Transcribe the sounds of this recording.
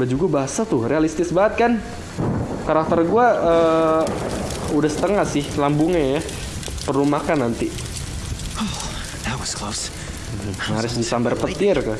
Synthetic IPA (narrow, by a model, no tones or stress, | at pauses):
bad͡ʒuɡabaɦasat̪ʊhrealist̪ɪsbaət̪̚kan | kaɾak̚t̪ərɡuaʔəː | udahsə̥t̪əŋasɪhlambʊŋaja | pəɾumahkanːant̪i | o | ðat̚wɔsklos̩ | ŋaɾʊsdisambarpət̪ɪrka